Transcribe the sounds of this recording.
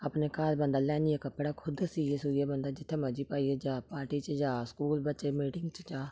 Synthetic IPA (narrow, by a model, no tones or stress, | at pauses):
əpneːkaːlbənd̪aːlɛːnijeːkəpːɽaːkʰʊd̪siːeːsuɾijaːbənd̪aːd͡ʒɪt̪ʰːeːməd͡ʒiːpaːieːd͡ʒaːpaːʈiːt͡ʃd͡ʒaːskuːlbətːt͡ʃeːmiːʈɪŋɡt͡ʃd͡ʒaː